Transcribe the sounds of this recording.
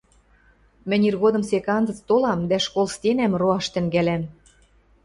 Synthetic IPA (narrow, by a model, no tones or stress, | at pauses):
mɘ̆nʲirɣod̪ɤ̆msekɑnd͡zɤ̆t͡st̪olɑmd̪æʃkolˠst̪enæmroɑʃt̪ɘ̆ŋɡælæm